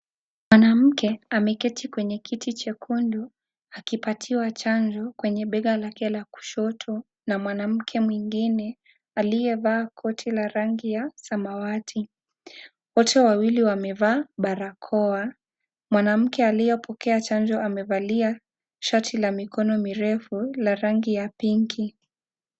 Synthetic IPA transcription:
mwanam̩kɛamɛkɛtʰikwɛɲɛkʰitit͡ʃɛkʰundu | akipatʰiwat͡ʃaɲd͡ʒɔkwɛɲɛɓɛɠalakɛlaku̥ʃɔtʰɔ | namwanam̩kʰɛmwiŋɡinɛ | alijɛvaːkʰɔtʰilaɾaŋɡijasamawatʰi | wɔtʰɛwawiliwamɛvaːɓaɾakʰɔa | mwanam̩kɛalijɔpʰɔkɛat͡ʃand͡ʒɔʔamɛvalia | ʃatʰilamikɔnɔmiɾɛfulaɾaŋɡijapiŋkʰi

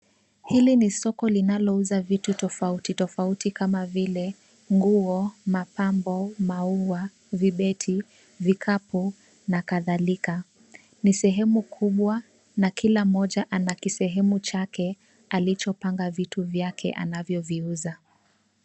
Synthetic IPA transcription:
hilinisɔkɔlinalɔuzavitutɔfautitɔfautikamavilɛ | ŋɡuɔmapambɔmaua | viɓɛtʰi | vikʰapu | nakaðalika | nisɛɦɛmukʰuɓwa | nakilamɔʄaʔanakisɛɦɛmut͡ʃakʰɛ | alit͡ʃɔpaŋɡavituvjakʰɛ̰ʔa̰navjɔviuza

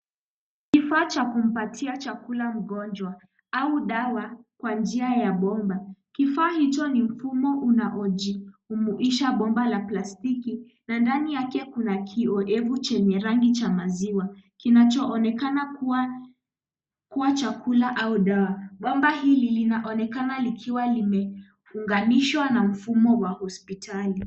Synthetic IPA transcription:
kifaːt͡ʃakum̩patʰiat͡ʃakulam̩ɠɔnd͡ʒwa | auɗawakwand͡ʒiajaɓɔmbakifaːhit͡ʃɔnim̩fumɔʔunaʔɔd͡ʒiumuʔiʃaɓɔmbalaplastiki | nandanijakɛkunakʰiɔʔɛvut͡ʃɛɲɛɾaŋɡit͡ʃamaziwakinat͡ʃɔːnɛkanakuwa | kuwat͡ʃakʰulaʔauɗawaɓɔmbaɦililinaʔɔnɛkanalikʰiwalimɛ | uŋɡaniʃwanam̩fumɔwahɔspitʰali

